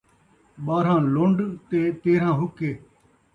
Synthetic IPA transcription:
ɓaːɾãːlʊ̃ɳɖt̪eːt̪eːɾãːɦʊkːeː

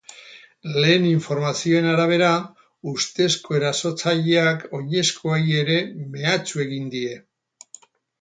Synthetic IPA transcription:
le̞ːniɱfo̞ɾmasio̞e̞naɾaβ̞e̞ɾa | ust̪e̞sko̞e̞ɾaso̞t͡saʎeako̞ɲe̞skʰo̞aje̞ɾe̞me̞at͡sue̞ɣind̪ie̞

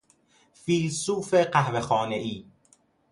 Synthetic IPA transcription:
fiːlsuːfeɢæhvexɒːne̞ʔiː

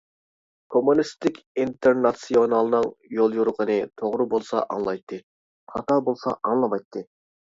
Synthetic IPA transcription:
kʰomunist̪ɪkʲint̪ʰeɾnɑsionɑlˠɨnɨŋjolˠjuɾqʰənɨt̪ʰoʁɾɨbolˠsɑ̰ʔɑ̰ŋlˠɑjt̪ʰːɨ | qʰɑt̪ɑbolˠsɑ̰ʔɑŋlˠɑmɑjt̪ʰːɨ

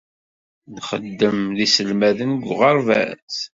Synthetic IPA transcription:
nχə̰d̪ːəmðisəlmæðənɡʷʁəɾˤvæ̰t͡s

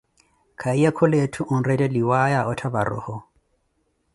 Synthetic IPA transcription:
kʰaiakʰʊletʰʊʔʊn̩rɛtʼɛdiwajaʔɔtʰabaɾɔ̰ːhɔ

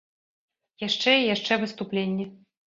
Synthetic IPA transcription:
jaʂt͡ʂɛijaʂt͡ʂɛvɨst̪uplʲenʲːɛ

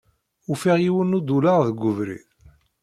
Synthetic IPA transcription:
ufiʁjiwənːud̪ulaʁðəɡʷːʊvɾḭð

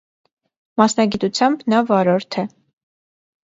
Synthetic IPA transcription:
mɑsnɑɡit̪ut͡sʰjɑmbnɑvɑɾɔɾt̪ʰɛ

